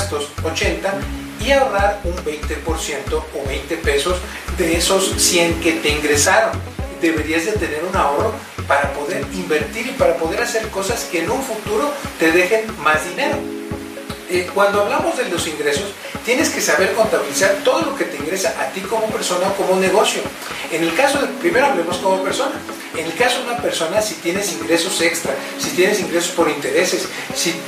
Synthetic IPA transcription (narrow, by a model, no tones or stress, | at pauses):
st̪o̞sot͡ʃe̞nt̪a | iaoraɾumbe̞jnt̪epo̞ɾsje̞nt̪o̞ːβejnt̪e̞pe̞so̞z | ðe̞eso̞sːie̞ŋke̞t̪e̞iŋɡɾe̞saɾo̞n | d̪e̞βe̞ɾiazðe̞t̪e̞ne̞ɾunao̞ro̞ | paɾapo̞ðe̞ɾimbe̞ɾt̪iɾipaɾapo̞ð̞e̞ɾase̞ɾko̞saske̞ːnũɱfut̪uɾo̞t̪e̞ðe̞xe̞nmazðine̞ɾo̞ | ekwand̪o̞aβlamo̞zðe̞lo̞siŋɡɾe̞so̞s | t̪je̞ne̞ske̞saβe̞ɾko̞nt̪aβilisaɾt̪o̞ð̞o̞lo̞ke̞t̪eiŋɡɾe̞saʔat̪iko̞mope̞ɾso̞naoko̞mone̞ɣ̞o̞sjo̞ | ene̞lkaso̞ðepɾime̞ɾo̞aβlemo̞skonope̞ɾso̞na | ene̞lkasoðunape̞ɾso̞nasit̪je̞ne̞siŋɡɾe̞so̞se̞kst̪ɾa | sit̪je̞ne̞siŋɡɾe̞so̞spoɾint̪e̞ɾe̞sesː | i